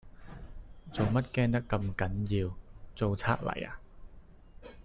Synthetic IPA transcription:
t͡so˨wmɐ˥t̚kɛː˥ŋt̪ɐ˥kːɐ˧mkɐ˨˥njiː˧wt͡so˨wt͡sʰa̰ː˧˥k̚lɐ̰˨˩ja̰ː˧

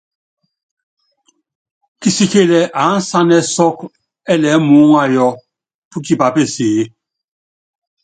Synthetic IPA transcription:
ki˦si˦ke˦lɛ˨ʔa˨˦n̩˦sa˦nɛ˦sɔ˦k | ɛ˦lɛ˨˦mu˨˦ŋa˦˨jɔ˦ | pu˦ki˦ba˨pe˦˨seː˨˦

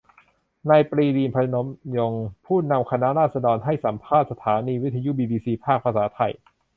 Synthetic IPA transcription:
naː˧jpɾiː˧liː˧npʰa˧no˩˦˥mjo˧ŋpʰuː˥˩na˧mkʰa˧na˦˥ʔɾaː˥˩sa˧dɔː˧nɦa˥˩jsa˩˦mpʰaː˥˩t̪̚sa˧t̪ʰaː˩˦niː˧wi˦˥t̪ʰːa˧ju˦˥biː˧biː˧siː˧pʰaː˥˩k̚pʰa˧saː˩˦t̪ʰa˧j

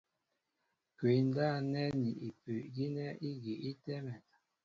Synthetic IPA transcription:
kwe˨˦n˦da˦˨nɛ˦ni˨i˨pʉ˨ʔɡi˦nɛ˦i˦ɡi˨ʔi˦tɛ˦mɛ˨

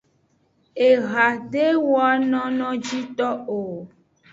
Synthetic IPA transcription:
e˨ɣa˨ɖe˦wɔ˦a˦nɔ̃˦nɔ̃˦d͡ʒi˦t̪ɔ˦o˨

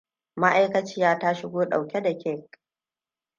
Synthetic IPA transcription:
ma˦ʔa˦jkɐ˦t͡ʃɪ˦jaː˦ta˦ʃɪ˦ɡʷoː˦ɗa˨wkʲe˦da˨kʲʰɛ˦˨k

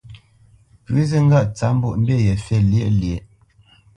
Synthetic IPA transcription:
pʉ˨˦ze˦ŋ˦ɡa˦˨ʔt͡sa˨˦m̩˦bu˦ʔm̩˦be˦˨jɛ˨fɛ˦˨lje˦˨lje˨

